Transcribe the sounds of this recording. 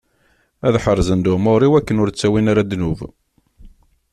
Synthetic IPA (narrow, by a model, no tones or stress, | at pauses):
æðħəɾˤzənd̪ʊmoɾˤiwækːənʊɾt͡sːæwinaɾad̪nuv